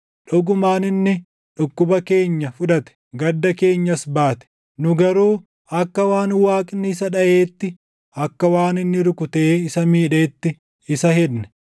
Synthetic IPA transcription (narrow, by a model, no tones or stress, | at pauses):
ᶑʊɡʊmaːnɪnːɪ | ᶑʊkːʊbɐke̞ːɲːɐfʊᶑɐt̪ɛ̥ɡɐd̪ːɐke̞ːɲːɐsbaːt̪ɛ̥ | nʊɡɐɾuː | ɐkːɐwaːnwaːkʼɪnːɪɪs̬ɐᶑɐʔeːt̪ːɪ | ɐkːɐwaːnɪnːɪɾʊkʊt̪eːɪsɐmiːᶑeːt̪ːɪ | ɪsɐhɛd̪nɛ̥